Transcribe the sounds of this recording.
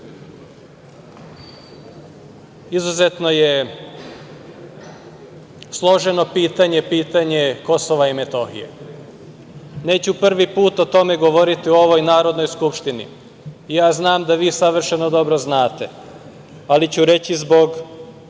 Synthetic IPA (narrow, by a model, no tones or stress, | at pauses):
izuze̞t̪no̞je | slˠo̞ʒe̞no̞piːt̪aɲe̞piːt̪aɲe̞ko̞soʋaime̞t̪o̞xḭjḛ | ne̞ːt͡ɕupr̩ʋipuːt̪o̞t̪o̞me̞ɡo̞ʋo̞ɾit̪ioo̞ʋo̞jnaːɾo̞d̪no̞jskupʃt̪inḭ | ijaːznaːmd̪aʋiːsaʋr̩ʃeno̞d̪o̞bɾoznaːt̪e̞ | alit͡ɕuɾe̞t͡ɕizbo̞ɡ